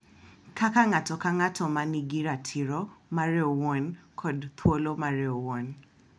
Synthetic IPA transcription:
kʰakaŋatɔkaŋatʰɔmaniɡiɾatʰɪɾɔmaɾeowɔnkʰɔdt̪ʰwolomaɾɛowɔn

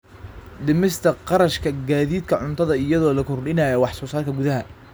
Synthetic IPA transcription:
ɖɪmɪst̪ʰɐqɑɾɐʃkʰɐɡaːðiːd̪kʰɐʕʊnt̪ʰɐðɐɪjɐðɔːlɐkʰʊrɗɪnaːjɐwɑħsɔːsaːrkʰɐɡʊðɐɦɐ

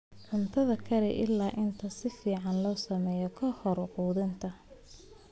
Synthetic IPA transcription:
ʕʊnt̪ʰɐðɐkʰɐɾɛʔɪlːaːʔɪnt̪ʰɐsɪfiːʕɑnlɔːsɐmɛːjɔkʰɐhɔɾʊquːðɪnt̪ʰɐ

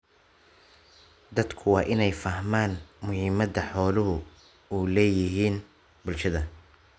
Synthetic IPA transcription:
d̪ɐd̪kʰʊwɑːʔɪnɛjfɐɦmaːnmʊhɪmɐðɐħɔːlʊɦʊ | uːlɛːjɪɦiːn | bʊlʃɐðɐ

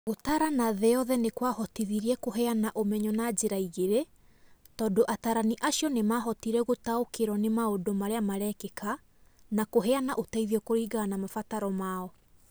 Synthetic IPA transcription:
ɣotaɾanaðɛɔðɛnekwahɔtiðiɾiɛkoɦɛanaʔomɛɲɔnad͡ʑeɾaiɣeɾe | tɔdoʔataɾaniʔaɕjɔnemaɦɔtiɾɛɣotaokeɾɔnemaodomaɾeamaɾɛkeka | nakoɦɛanaʔotaiðiɔkoɾiːɣaːnamafataɾɔmaɔ

